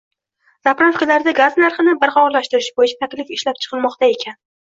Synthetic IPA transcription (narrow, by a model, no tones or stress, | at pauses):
z̥apɾafkʲalaɾd̪aɡaznaɾχɨnɪbɪɾχɒlaʃt̪ɪɾɪʃbojɪt͡ʃʰat̪ʰakʲlɪfɪʃlapt͡ʃʰɨ̥qʰɨlˠmɒqt̪ʰae̞kʲʰan